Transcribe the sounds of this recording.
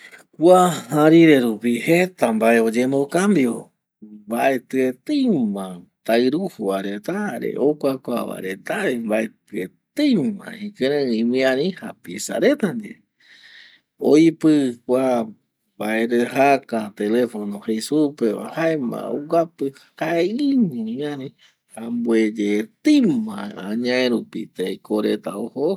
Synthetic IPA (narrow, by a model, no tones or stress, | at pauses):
kʷahãɾiɾe̞ɾupihet̪ambae̞o̞d͡ʒemokambjo | mbaʔe̞t̪ɨet̪ejmãt̪aɨɾuhuaɾet̪aɾḛʔokʷakʷaβa̰ɾet̪aembaet̪ɨet̪ejmã̰hĩkɨ̃ɾẽĩmĩãɾĩhapisa̰ɾet̪and͡ʒḛ | ojpɨkʷa | baeɾeɦakat̪elefonõhesupea̰haemã̰uɡapɨhkaeiɲũĩãɾĩ | hambued͡ʒet̪ɨmãaɲãẽɾupit̪ekoɾet̪aoho